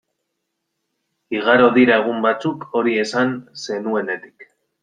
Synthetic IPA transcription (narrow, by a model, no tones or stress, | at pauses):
iɣaɾo̞ðiɾaɣ̞umbat͡suko̞ɾie̞sanse̞nue̞ne̞t̪i̥k